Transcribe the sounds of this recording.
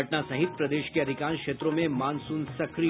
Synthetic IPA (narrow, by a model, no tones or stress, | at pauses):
ɐʈnasɐ̃ɦɪt̪̚pɾɐd̪eːʃkeɐd̪ʱɪkaːnkʃeːt̪ɾõmẽmaːnsuːnsɐkɾi